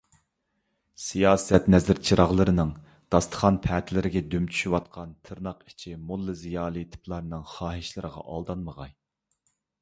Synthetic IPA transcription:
sijɑːsɛt̪nɛzɪɾt͡ʃʰiɾɑʁlˠɨɾɨnɨŋ | d̪̥ɑst̪ʰə̥χɑnpʰɛːt̪ʰɪlɪɾɪɡʲɛd̪ymt͡ʃʰy̥ʃywɑt̪̚qʰɑnt̪ʰɨɾnɑqi̥t͡ʃʰimulˠːɨzijɑːlˠit̪ʰɪ̥pʰlˠɑɾnɨŋχɑːɦiʃlˠɨɾəʁɑ̰ʔɑ̰lˠd̪ɑnməʁɑj

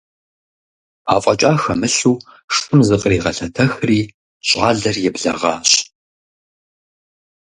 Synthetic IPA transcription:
a̰ːfʼɐt͡ʃʼaːxɐmɨɬuː | ʂʼɨmzɨqʼriːʁɐɬɐtʰɐxriː | ɕʼɑːɮɐrjɛbɮɐ̰ʁɑ̰ːɕ

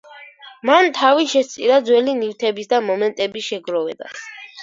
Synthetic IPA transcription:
mant̪ʰaviʃɛst̪sʼiɾad̪zwɛliniwt̪ʰɛbisd̪amɔmɛnt̪ʼɛbiʃɛɡɾɔvɛd̪a̰s

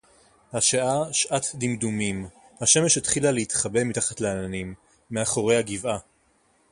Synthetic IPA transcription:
haʃaʔaʃʔat̪dimdumim | haʃe̞me̞ʃetχilaleitχabemitaχatleananimː | eaχo̞ʁe̞jhaɡiva

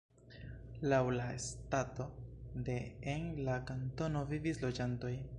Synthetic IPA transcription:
lawlaḛstato̞de̞enlakanto̞no̞vivislo̞d͡ʒanto̞j

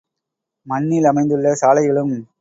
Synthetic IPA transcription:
mɐnːilɐmɐɪnd̪ɯɭːɐsaːlɐɪɣɐɭɯm

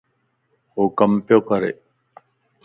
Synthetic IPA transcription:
okɐmpjokɐɾḛ

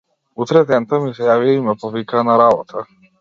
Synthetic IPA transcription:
ut̪ɾɛd̪ɛnt̪amisɛjaviaimɛpɔvikaːnaɾabɔt̪ʰa

